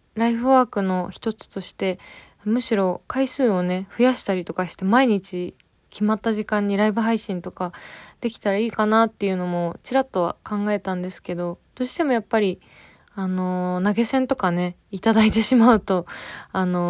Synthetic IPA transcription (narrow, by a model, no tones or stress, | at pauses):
ɾaiɸɯ̟βaːkɯ̟no̞çi̥t̪o̞t͡sɨ̥t̪o̞ɕi̥t̪e̞ | mɯ̟ɕiɾo̞kaisɨːo̞ne̞ɸɯ̟jaɕi̥t̪aɾʲit̪o̞kaɕi̥t̪e̞maiɲ̟it͡ɕi | kʲʰimat̪ːaʑikãɲ̟ːiɾaibɯ̟ɦaiɕĩnt̪o̞kad̪̥e̞kʲi̥t̪aɾaiːkanat̪ːe̞jɯ̟no̞mo̞t͡ɕiɾat̪ːo̞βa̰kãŋɡae̞t̪ãnd̪e̞sɨ̥ke̞d̪o̞d̪̥o̞ːɕi̥t̪e̞mo̞japːaɾʲi | ano̞naɡe̞sẽ̞nt̪o̞kane̞ | it̪ad̪ait̪e̞ɕimaɯ̟t̪o̞ano̞